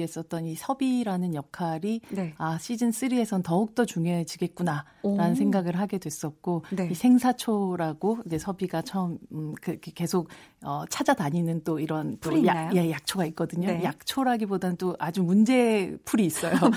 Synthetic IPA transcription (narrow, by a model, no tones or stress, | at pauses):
es͈ʌt̚t͈ʌnisʰʌbiɾanɯnjʌkʰaɾinaɕ͈ʰid͡ʑɯns͈ɯɾie̞sʰʌnntʌuk̚t͈ʌt͡ɕuŋjoet͡ɕiɡe̞t̚k͈una | ɾanɯnsʰe̞ŋɡaɡɯɭɦaɡe̞dwe̞s͈ʌt̚k͈oisʰe̞ŋsʰat͡ɕʰoɾaɡ̥oid͡ʑe̞sʰʌbiɡat͡ɕʰʌmkɯkʰeke̞sʰok̚ʌt͡ɕʰad͡ʑadaɲinɯnt͈oiɾʌnt͈ojejak̚t͡ɕʰoɡaik̚k͈ʌdɯɲojak̚t͡ɕʰoɾaɡibodanɯnt͈oʔad͡ʑumund͡ʑe̞pʰuɾiːs͈ʌjo